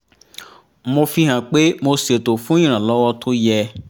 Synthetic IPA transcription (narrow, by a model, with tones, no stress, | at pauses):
mo˧fi˧ɦã˨k͡pe˦mo˧se˨to˨fũ˦ĩ˦˨ɾ̃ã˨lɔ˨˦wɔ˦tʰo˦jɛ˧